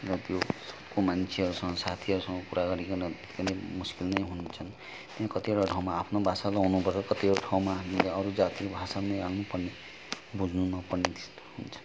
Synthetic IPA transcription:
ɾʌt̪josʌ̥bkomant͡ʃʰeɦʌɾusʌŋɡʌsat̪ʰiɦʌɾusʌ̃ŋɡɔpuɾaɡʌɾikɔnʌt̪et̪i̥kanemuskilnʌjɦunt͡ʃʰʌn | t̪iãkʌt̪ieʈɔʈʰaw̃maːpʰnobʱasaloɦunupʌɾɔkʌt̪ibɔɽoʈʰaw̃mamileʌɾud͡zat̪ikobʱasanʌjalnupʌɾne | bud͡zʱnunʌpʌɾnitst̪ɦunt͡ʃʰʌ̥n

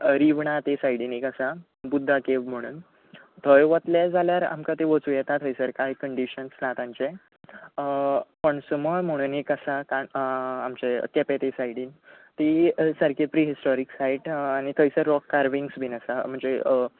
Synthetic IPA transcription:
ɾiʋɳat̪esajɽinikəsa | bud̪ʱːakeʋm̤əɽ̃uːn | t̪ʰəjʋət̪ljad͡zʱaljaɾa̰mkat̪eʋət͡sujɛt̪at̪ʰəjsəɾkajkəɳɖiɕənslat̪ãɲt͡ɕe | pəɳsuməɭm̤əɽ̃uːnekəsakaamt͡ɕekepet̪esaiɽiːn | t̪isəɾkepɾiɦisʈɔɾiksaiʈañit̪ʰəjsəɾːɔkːaɾʋiŋɡsbʱinəsam̤əɳd͡ze

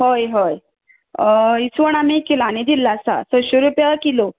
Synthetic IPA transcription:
ɦojɦoj | isʋəɳ̃amekːelaaɽñid̪ilːasa̰sɔɕoɾupjalakilo

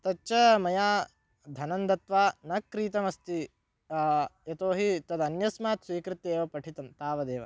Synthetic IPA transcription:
t̪ɐt͡ʃɐmɐjaː | d̪ʱɐnɐnd̪ɐt̪ʋaːnɐkːɾiːt̪ɐmɐst̪i | jɐt̪oːɦit̪ɐd̪ɐnjɐsmaːt̪sʋiːkɾɪt̪ːeːʋɐpɐʈʰit̪ɐmt̪aːʋɐd̪eːʋɐ̰

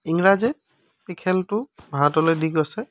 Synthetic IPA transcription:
iŋɹazɛ | pikʰɛltʊbʱaɦatɔlojdiɡasɛ

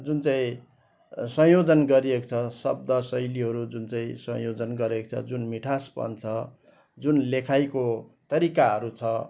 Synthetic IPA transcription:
d͡zunt͡saĩ | sʌ̃jod͡zʌnɡʌɾiekt͡sʰʌsʌb̚d̪ʌsʌjliɦʌɾud͡zunt͡saĩsʌ̰̃jod͡zʌnɡʌɾekt͡sʰʌ̰d͡zunmiʈʰaspʌ̰nt͡sʰʌ | d͡zunlekʰajkot̪ʌɾikaɦʌɾut͡sʰʌ

